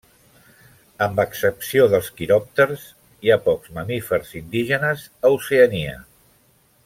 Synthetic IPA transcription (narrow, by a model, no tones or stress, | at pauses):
əmbəksəpsioðəlˠskiɾɔp̚t̪əɾs | iapɔkzməmifəɾzind̪iʒənəz | əwseəniə̰